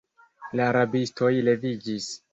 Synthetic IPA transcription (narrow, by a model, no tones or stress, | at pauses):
laːɾabistʰo̞jle̞vid͡ʒis